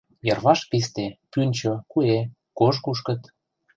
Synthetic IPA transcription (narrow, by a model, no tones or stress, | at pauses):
jɤrβɑʃkist̪epynʲt͡ɕokue | koʃ̬kuʃkə̆t̪